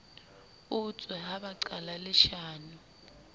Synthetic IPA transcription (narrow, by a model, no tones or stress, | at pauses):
ut͡sʼwɛɦaɓaǀalalɪʃaːnu